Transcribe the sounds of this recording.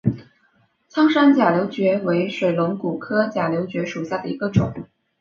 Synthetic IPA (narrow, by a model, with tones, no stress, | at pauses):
t͡sʰɑ˥ŋʂa˥nt͡ɕja˨˩ljo˧˥ʊt͡ɕɥɛ˧˥we˧˥ɪʂwe˨˩ɪlʊ˧˥ŋku˨˩kʰɤ˥t͡ɕja˨˩ljo˧˥ʊt͡ɕɥɛ˧˥ʂu˨˩ɕja˥˩d̪ə˩ḭ˧˥ɡə˧ʈ͡ʂʊ˨˩˦ŋ